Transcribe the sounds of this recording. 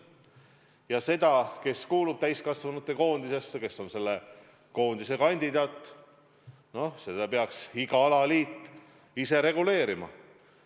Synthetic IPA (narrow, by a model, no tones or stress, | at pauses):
jɑse̞d̪̥ɑke̞skuːlub̥̚t̪æjskɑsvɑnut̪ˑːe̞ko̞ːnd̪ise̞sːeke̞sːo̞nse̞lːe | ko̞ːnd̪̥isekɑnʲd̪̥id̪ɑːt̪ːˑ | no̞se̞d̪ɑpeɑksiɡɑɑlɑliːt̪ː | ise̞ɾe̞ɡ̥ule̞ːɾimɑ̰